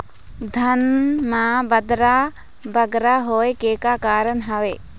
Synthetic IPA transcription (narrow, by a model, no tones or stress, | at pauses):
d̪ʱɐnmãbɐd̪ɾa | bɐɡɾaɦoːekekakaːɾəɳɦɐʋeː